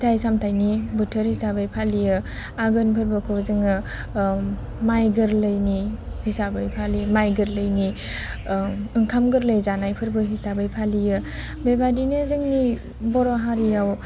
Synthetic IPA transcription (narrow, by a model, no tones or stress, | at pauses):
tʰajsamtʰajnibɯtʰəɾhisabajpʰalijɯ | aɡɯnpʰɯɾbɯkʰozɯŋɯ | majɡɯɾləjnihisabɯjpʰalimajɡɯɾlɯjni | ɯŋkʰamɡɯɾləjzanajpʰɯɾbɯɦisabɯjpʰalijɯ | bebadinɯzɯŋni | bɔɾɔɦaɾijaw